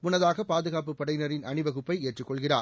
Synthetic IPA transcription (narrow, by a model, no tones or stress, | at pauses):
mʊnɐðaːɣɐpːaːðɯɣaːpɯpːɐɽɐɪnɐɾɪnɐnɪʋɐɣɯpːɐɪeːʈrɯkːɔɭɣɪraː